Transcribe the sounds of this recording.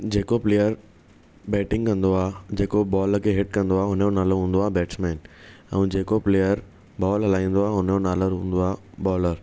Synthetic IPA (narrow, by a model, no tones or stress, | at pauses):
d͡ʑeːkopleːjəɾ | bɛːʈɪ̃ŋɡkɐ̃nd̪oaːd͡ʑeːkobɔːlkʰeɦɪʈ̚kɐ̃nd̪oaːɦʊn̤jonaːloɾɦũːn̆d̪oaːbɛːʈsmɛːnɛ̰̃ːd͡ʑeːkopleːjəɾ | bɔːlɦɐlaːĩːn̆d̪oaːɦʊnjonaːləɾɦũːn̆d̪oaːbɔːləɾ